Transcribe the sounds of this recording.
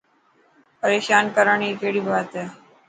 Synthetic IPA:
pəɾeːɕaːnkəɾəɳiːkeɽiːbʱat̪e

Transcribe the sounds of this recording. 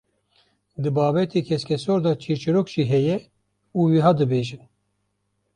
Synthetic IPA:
d̪ɨbɑːbɛt̪ʰiːkʲʰɛskʲʰɛsoɾd̪ɑt͡ʃʰiɾt͡ʃɨɾokʒ̥iːɦɛjɛ | uːwiɦaːd̪ɨbeːʒɨn

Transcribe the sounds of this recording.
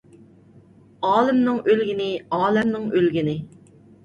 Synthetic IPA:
ɑːlˠɪmnɪŋølɡʲinɪɑːlɛmnɪŋølɡʲinɪ

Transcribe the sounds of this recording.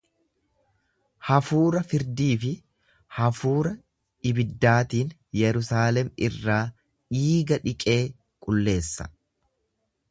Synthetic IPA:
hɐfuːɾɐfɪɾd̪iːfɪ | hɐfuːɾɐ | ɪbɪd̪ːaːt̪iːn | jɛɾʊsaːlɛmɪrːaː | ᶑiːɡɐᶑɪkʼe̞ː | kʼʊlːe̞ːsːɐ̥̰

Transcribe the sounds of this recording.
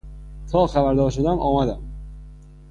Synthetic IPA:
t̪ʰɒlˠχabaɾd̪ɒʃɪd̪anʔɒmad̪ɪ

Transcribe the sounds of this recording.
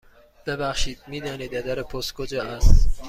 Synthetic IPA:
b̥ebæχʃiːd̪̥̚miːd̪ɒːniːd̪æd̪æɾepʰost̪̚kʰod͡ʒɒːʔæst̪

